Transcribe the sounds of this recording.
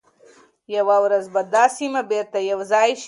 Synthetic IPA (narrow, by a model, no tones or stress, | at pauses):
jɐwawɾɐzbɐd̪aːsimɐbeːɾt̪ɐjɐwzaːʃ